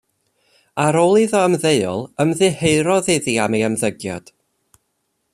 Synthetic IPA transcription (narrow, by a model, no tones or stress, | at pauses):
aɾoːlˠiðɔəmðeɨɔ̰lˠəmðɨheɨɾɔðɨðiamiamðəɡjɔ̰d̥